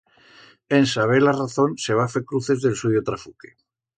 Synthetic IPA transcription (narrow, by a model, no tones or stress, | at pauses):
ensaβ̞elaraθo̞nse̞βafekɾuθe̞zðe̞lsujot̪ɾafuke̥